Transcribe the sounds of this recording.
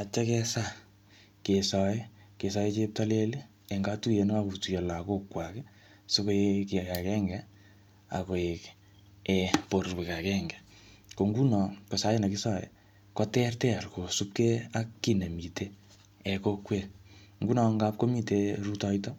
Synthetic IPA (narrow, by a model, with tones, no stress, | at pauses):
a˨t͡ʃɛ˦kɛ˦sa˦ | ke˨sɔ˨je˦ke˨sɔ˦je˦t͡ʃe˦p̚ta˦le˦li˦ | ɛ˨ŋɡa˦tu˦je˨n˦a˦ku˨tu˨je˨la˨ko˦kwa˨ke˦ | so˦ko˦jeki˨a˨ka˨kɛ˦ŋɡɛ | a̰˨ko˨je˨k | ɛpo˨ɾwe˨ka˨kɛ˦ŋɡɛ˨ | ko˨ŋɡu˦nɔ˨ko˨sa˦je˦na˨ki˦sɔ˦ḛ˨ | kɔ˦tɛ˦rtɛ˦˨rko˨su˦p̚ke˦a˦kːi˦ne˨mi˨te˦ | ɛ˨ko˦kwe˨ | ŋɡu˦nɔ˨ŋɡa˦p̚ko˦mi˦te˦ɾu˦tɔ˧jt̬ɔ˦